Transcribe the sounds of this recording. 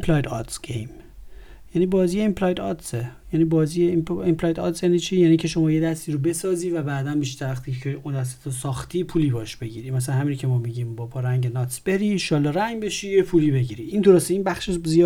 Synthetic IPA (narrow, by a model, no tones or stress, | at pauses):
empʰlɒjd̪ɒt̪sɡ̥ejm | jæniːbɒːzijeemplɒːjd̪ɒt̪sejæːniːbɒːziːjeempʰlɒːjd̪ɒ̰t̪sjæniːt͡ʃʰiːjæːniːŋcʰe̞ʃo̞mɒːjed̪æst̪iːɾobe̞sɒːziːvæbæːd̪ænbiːʃ̬t̪æɾvæxt̪ʰicʰeund̪æs̬æ̥t̪ʰosɒːxt̪ʰiːpʰuːliːbɒːheʃb̥e̞ɟiːɾimæsælænhæmiːnokcʰe̞mɒːmiɟiːmbɒbɒːɾæŋɟenɒt̪sb̥e̞ɾiːʃɒːlːɒːɾæŋɟbe̞ʃiːjepʰuliːbe̞ɟiːɾiiːnd̪o̞ɾost̪eiːnbæxʃeʃzijɒː